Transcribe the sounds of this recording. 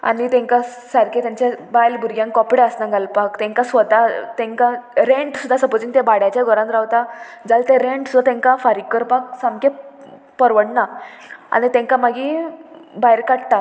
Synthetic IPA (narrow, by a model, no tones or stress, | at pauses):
a̰nit̪ɛ̃ŋka | saɾket̪jaɲt͡ɕabajlbʱuɾɡjãŋkɔpɽeəsnaɡalpakt̪ɛ̃ŋkasʋət̪at̪ɛ̃ŋkaɾẽɳʈsud̪ːasəpod͡ʑiŋt̪ebaɽjat͡ɕjaɡʱɔɾãnd̪ɾaʋt̪ad͡zalt̪eɾeɳʈst̪ɛ̃ŋkafaɾikːəɾpak̚samke | pəɾʋəɽna | a̰nit̪ɛ̃ŋkamaɡĩ | bajɾkaɽt̪a